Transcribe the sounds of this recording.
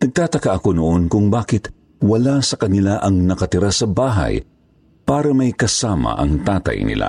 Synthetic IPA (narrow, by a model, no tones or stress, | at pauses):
nɐɡ̚t̪aːt̪ɐkaʔɐkonoʔonkʊŋbaːkɪt̪ | wɐlasɐkɐnɪlaʔɐŋnɐkɐt̪ɪɾasɐbaːɦa̰j | paːɾɐmɐjkɐsaːmɐ̰ʔɐ̰ŋt̪aːt̪ɐ̰jnɪ̰la̰